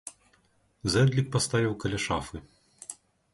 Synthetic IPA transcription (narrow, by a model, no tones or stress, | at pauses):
zɛd̪lʲik̚pɐst̪avʲiwkɐlʲaʃafɨ